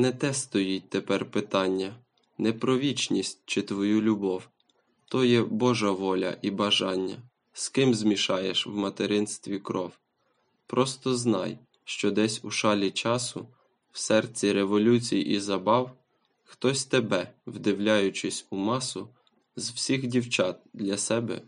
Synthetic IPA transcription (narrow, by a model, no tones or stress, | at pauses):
nɛt̪ɛst̪ɔjit̚ʲt̪epɛrpɪt̪ɑnʲːɐ | nɛpɾɔʋʲit͡ʃnʲisʲt̚ʲt͡ʃɪt̪ʋɔjulʲʊbɔw | t̪ɔjɛbɔʒɐʋɔlʲɐ̰ʔibɐʒɑnʲːɐ̰ | skɪmzmʲiʃɑjeʃwmɐt̪eɾɪnst̪ʋʲikɾɔw | pɾɔst̪ɔznɑ̰j | ʃt͡ʃɔd̪ɛsʲuʃɑlʲit͡ʃɑsʊ | w̥sɛrt͡sʲiɾeʋɔlʲut͡sʲijḭʔizɐbɑw | xt̪ɔsʲt̪ebɛwd̪ɪwlʲɑjʊt͡ʃɪsʲumɑsʊ | zwsʲixdʲiwt͡ʃɑt̪̚d̪lʲɐsɛbɛ̰